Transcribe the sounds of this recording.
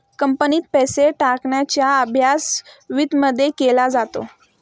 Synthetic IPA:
kəmpəniːt̪̚pɛseʈakɳjat͡ɕjaəbʱjasʋid̪məd̪ʱːjekelad͡zat̪o̰

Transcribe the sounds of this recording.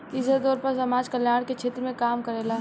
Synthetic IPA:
t̪iːsad̪ɔːɾpɐɾsɐmaːd͡ʒkəljaːɽ̃ket͡ʃʰeːt̪ɾəmẽkaːmkəɾeːlaː

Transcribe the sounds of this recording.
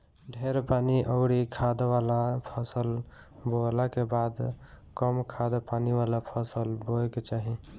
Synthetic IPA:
ɖʱeɾpaniʔəɽikʰad̪ʋalapʰəsəl | bolakebad̪ | kəmkʰad̪paniʋalapʰəsəlboɛket͡ʃaɦi

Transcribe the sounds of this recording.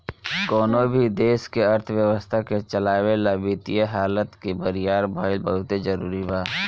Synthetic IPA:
koːnobʱid̪eːskeɐɾt̪ʰwjəwəst̪ʰaket͡ʃəlaːwelabit̪ijeɦaːlət̪kibəɾijaːɾbaːɪlbəɦʊt̪ezəɾuːɾibaː

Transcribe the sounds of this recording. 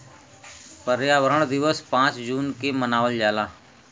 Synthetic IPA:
pəɾjaːʋəɾəɳ̃d̪ɪʋəspãːt͡ʃd͡ʒuːnkemənaːʋəld͡ʒaːlaː

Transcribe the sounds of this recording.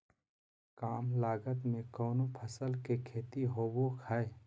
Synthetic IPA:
kaːmlaːɡət̪mẽkɔːnopʰəsəlkekʰeːt̪iɦoːbokʰae

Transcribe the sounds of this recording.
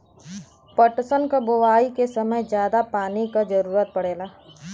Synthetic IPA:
pəʈsənkaboʋaːikesɐməjd͡ʒjaːd̪apaːnikad͡ʒəɾuːɾət̪̚pɐɽeːlaː

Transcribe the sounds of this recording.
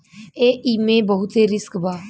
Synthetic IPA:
eːiːmẽːbəɦʊt̪seːɾɪskbaː

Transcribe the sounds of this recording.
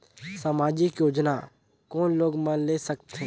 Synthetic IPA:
saːmaːd͡ʒɪkjoːd͡ʒna | kɔːnloːɡmə̃lesək̚t̪ẽ

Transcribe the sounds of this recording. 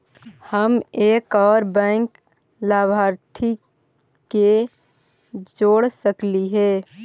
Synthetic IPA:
həmeːkɔːɾbɛ̃ŋk | laːbʱaːɾt̪ʰi | ke | d͡ʒoːɽsəkliɦɛː

